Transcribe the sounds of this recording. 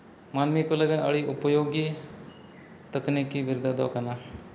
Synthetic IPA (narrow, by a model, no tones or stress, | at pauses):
manmikoləɡənɐ̰ɭiʔʊpəjoːɡi | t̪əknikibɪɾd̪ad̪ɔ̰kana